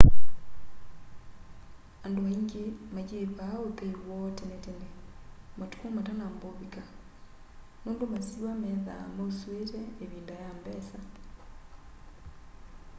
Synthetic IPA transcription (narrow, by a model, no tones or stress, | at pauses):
andoaiŋɡemaɡepaopeiwɔtenetenematu̥amatanamboβika | noːndomasiwamɛða̰mosweɾɛeβiːndajambɛsa